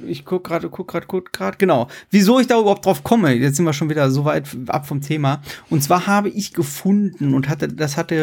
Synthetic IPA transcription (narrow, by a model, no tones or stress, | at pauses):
ʔɪçkʰʊk̚ɡ̥ʁaːdəkʰʊk̚ɡ̥ʁaːdkʰʊkɡ̥ʁaːdəɡ̥ənaʊvizoːɪçd̥aːʔyːbɐhaʊp̚d̥ʁaʊfkʰɔməjɛt͡sz̥ɪntviːɐʃ̬oːnviːdɐzoːvaɪtʔa̰pfɔmtʰeːmaʔʊntt͡sv̥aːɐhaːbəʔɪçɡ̥əfʊndn̩ʊnthatəd̥ashatə